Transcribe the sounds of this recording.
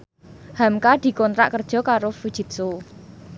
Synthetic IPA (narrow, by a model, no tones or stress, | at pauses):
hamkad̪̥i̤kɔnt̪ɾa̰ʔkərd̥ʒ̥ɔ̤kaɾofud̥ʒ̥i̤t̪̚so